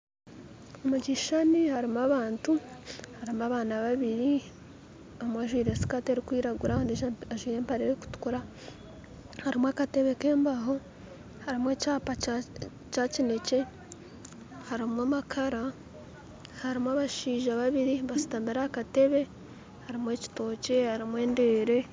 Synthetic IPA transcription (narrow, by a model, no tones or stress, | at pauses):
omuɟiʃanihaɾimaβaːntuhaɾimuaβaːnaβaβiɾi | omwaʒwiːɾe̞si̥kateɾikwiːɾaɡuɾandiʒaʒwiːɾe̞ːmpaɾiɾeku̥tu̥kuɾa | haɾimwakate̞βe̞ke̞ːmbaɦo̞ | haɾimwe̞ːcaːpa | t͡ʃacine̞ce̞ | haɾimwamakʰaɾa | haɾimwaβaʃiːʒaβaβiɾiβasu̥tameɾakate̞βe̞ | haɾimwe̞ːci̥to̞ːce̞haɾimwe̞ːnde̞ːɾe̞